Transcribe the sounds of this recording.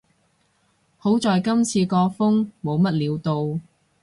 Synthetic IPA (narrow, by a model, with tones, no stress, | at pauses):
ho˨˥wt͡sɔː˨jkɐ˥mt͡sʰiː˧kɔː˧fʊ˥ŋmo˨˧wmɐ˥t̚liː˨˧wt̪o˨w